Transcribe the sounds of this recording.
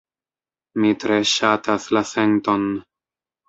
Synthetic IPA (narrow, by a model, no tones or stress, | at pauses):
mitɾe̞ʃataslase̞nto̞n